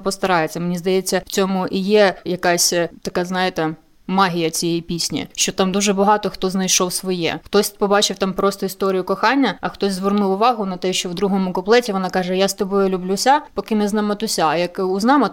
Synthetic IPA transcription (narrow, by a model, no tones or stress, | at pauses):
pɔst̪ɐɾɑjet͡sʲːɐmenʲizd̪ɐjet͡sʲːɐwt͡sʲɔmʊʔijɛjɐkɑsʲt̪ɐkɑznɑjet̪ɛ | mɑɦʲijɐt͡sʲijɛjipʲisʲnʲḭʃt͡ʃɔt̪ɑmd̪uʒɛbɐɦɑt̪ɔxt̪ɔznɐjʃɔwsʋɔjɛ̰xt̪ɔsʲpɔbɑt͡ʃɪwt̪ɑmpɾɔst̪ɔist̪ɔɾʲijʊkɔxɑnʲːɐɐxt̪ɔsʲzʋernuwʊʋɑɦʊnɐt̪ɛʃt͡ʃɔwd̪ɾuɦɔmʊkɔplˠɛtʲiʋɔnɑkɑʒɛjast̪ɔbɔjʊlʲʊblʲusʲapɔkɪnɛznɑmɐt̪ʊsʲajɐkʊznɑmɐ